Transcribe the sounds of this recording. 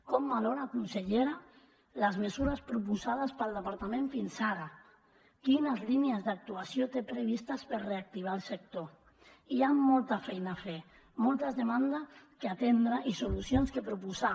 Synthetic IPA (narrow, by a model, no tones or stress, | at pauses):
kɔmbaloɾaːkunseʎeɾa | ləzmezuɾaspɾup̬uzað̞aspalˠd̪əpaɾt̪amẽɱfinsaɾa | kinəzliniəzd̪ak̚t̪uasjot̪epɾeβ̞ist̪aspəɾreak̚t̪iβ̞alˠsek̚t̪o | iamːɔlˠt̪afɛjnaːfe | mɔlˠt̪əzðemand̪akeat̪end̪ɾaʔisulusjonskəpɾupuza